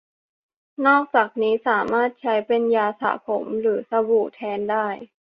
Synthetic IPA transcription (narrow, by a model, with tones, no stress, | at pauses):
nɔː˥˩k̚t͡ɕaː˨˩k̚niː˦˥saː˩˦maː˥˩t̪̚t͡ɕʰa˦˥jpe˧njaː˧sa̰ː˩˦pʰo̰˨˩˦mɾɯː˩˦sa˧wuː˨˩t̪ʰɛː˧ndaː˥˩j